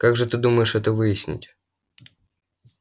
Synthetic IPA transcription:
kaɡʐɨt̪ɨd̪uməjɪʂɛt̪əvɨjɪsʲnʲɪ̰tʲ

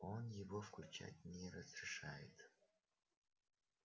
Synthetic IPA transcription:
onjɪvofklʲut͡ʃa̰tʲnʲerɐzrɪʂajɪt̪

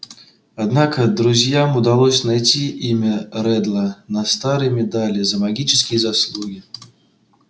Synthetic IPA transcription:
ad̪nakɐd̪ɾuzʲjamud̪alˠɔsʲnajt͡sʲiʔimʲɐɾɛd̪lˠɐnɐst̪aɾɨjmʲɛd̪alʲizɐmaɡʲit͡ʃɪskʲijɐzaslˠuɡʲi

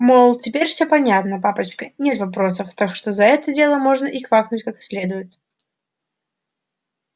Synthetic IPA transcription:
molˠtʲɪpʲeɾʲfsʲɵpɐnʲat̪nəpapət͡ɕkənʲet̪vɐpɾo̞səft̪akʂt̪ozɐɛt̪ədʲe̞lˠəmo̞ʐnəʔixvaknʊtʲkaksʲlʲe̞d̪ʊjɪt̪

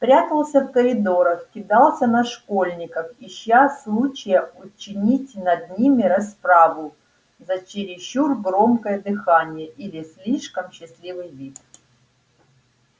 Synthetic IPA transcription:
pɾʲat̪əlˠsʲəfkəɾʲɪd̪o̞ɾəxkʲɪd̪ɑlˠsʲənɐʂkolʲnʲɪkəfiɕːasːlˠut͡ɕɪjəʊt͡ɕɪnʲitʲnɐd̪nʲimʲɪɾɐspɾavʊ | zɐt͡ɕɪɾʲɪɕːurɡɾo̞mkəjəd̪ɨxanʲɪjəʔilʲɪsʲlʲiʂkəmɕːɪsʲlʲivɨjvʲit̪

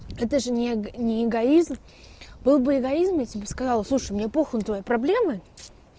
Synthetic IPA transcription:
ɛt̪əʐɨnʲɪnʲɪɪɡɐizm | bɨlˠbɨɪɡɐizmjatʲɪbʲeskɐzɑlˠslˠuʂɨjmnʲepoxənʊt̪vɐjipɾɐblʲe̞mə

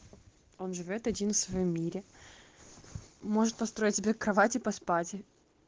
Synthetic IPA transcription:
o̞nʐɨvʲo̞t̪ɐdʲinfsvɐjomːʲiɾʲɪ | mo̞ʐɨt̪̚pɐst̪ɾo̞ɪt̚ʲsʲɪbʲekɾɐvatʲɪpɐspatʲɪ

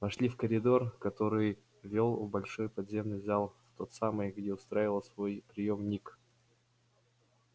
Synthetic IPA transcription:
vɐʂlʲifkəɾʲɪd̪o̞rkɐt̪o̞ɾɨj | vʲolˠʊbɐlʲʂo̞jpɐd̪zʲe̞mnɨzalˠft̪o̞t̪samɨjɡdʲe̞ʊst̪ɾaivəlˠsvo̞jpɾʲɪjomnʲik

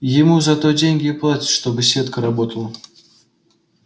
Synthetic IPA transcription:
jɪmuzat̪ɔd͡zʲenʲɡʲɪplˠat͡sʲɪ̥t̪ʲʂt̪ɔbɨsʲvʲet̪kəɾabɔt̪əlˠə

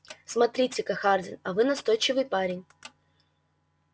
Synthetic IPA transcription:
smɐt̪ɾʲitʲɪkɐxardʲɪ̰nɐvɨnɐst̪ojt͡ɕɪvɨjpaɾʲɪnʲ

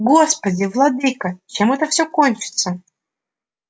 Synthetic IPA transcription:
ɡospədʲɪvlˠɑd̪ɨkət͡ɕemɛt̪əfsʲokonʲt͡ɕɪ̥t̪sə

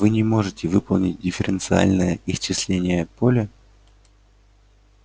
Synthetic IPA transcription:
vɨnʲɪmo̞ʐɨtʲɪvɨpəlˠnʲɪt̚ʲdʲɪfʲɪɾʲɪnt̪sɨa̰lʲnəjəɪst͡ɕːɪslʲenʲɪjəpo̞lʲɪ

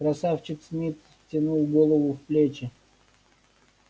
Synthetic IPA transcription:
kɾɐsaft͡ɕɪk̪smʲit̪ | tʲɪnulˠɡolˠəvʊfplʲet͡ɕɪ

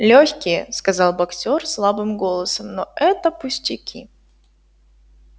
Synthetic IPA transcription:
lʲoçʲkʲɪjəskɐzɑlˠbɐksʲorslˠabɨmɡo̞lˠəsəmnoɛt̪əpʊsʲtʲɪkʲi

